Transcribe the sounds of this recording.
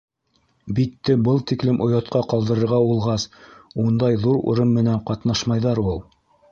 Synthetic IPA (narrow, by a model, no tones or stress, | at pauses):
bit̪ːɘbɤlˠt̪iklɘmʔŏjɑt̪̚qɑqɑlˠd̪ɤ̆ɾɤ̆ɾʁɑulˠʁɑsund̪ɑjðuɾṵ̆ɾɤmːɘ̆næɴqɑt̪nɑʃmɑjðɑɾulˠ